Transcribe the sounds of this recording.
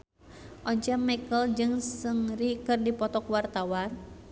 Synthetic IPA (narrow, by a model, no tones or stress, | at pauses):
ʔɔɲd͡ʒamɛkəld͡ʒɨŋsɨŋrikɨrdipɔt̪ɔkwart̪awan